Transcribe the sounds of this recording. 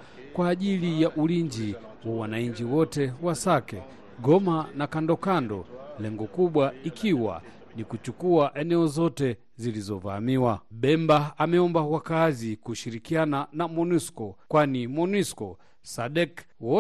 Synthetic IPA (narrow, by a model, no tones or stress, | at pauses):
kwaːʄilijaʔuliɲd͡ʒi | wawanaiɲd͡ʒiwɔtɛwasakɛ | ɡɔmanakandɔkandɔ̰lɛŋɡɔkuɓwaikʰiwa̰ | nikut͡ʃukuaʔɛnɛɔzɔtɛ | zilizɔva̰miwaɓɛmbaamɛɔmbawakazikuʃiɾikiananamɔniskɔkwanimɔniskɔ | saɗɛk | wɔ